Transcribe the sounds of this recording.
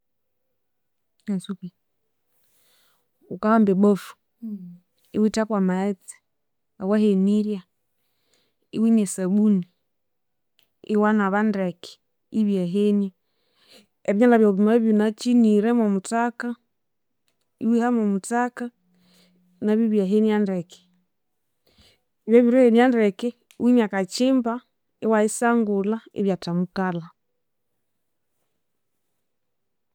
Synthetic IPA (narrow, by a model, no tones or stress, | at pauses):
asupi | ukahambɛɓɔfu̥ | iwitapwamaɛt͡si̥ | awahɛniɾja | iwiɲɛsaɓuni | iwanaβandaki̥ | iβjaɦɛnja | ɛβiɲalaβjauβimaβjunat͡ʃiniɾɛmɔmutaka | ḭwihamɔmutaka | naβjiβjaɦenjandɛkɛ̥ | iβjɛβiɾɛheniandɛkɛ | wimakat͡ʃimba | ewaisaŋɡulaḛβjatamukala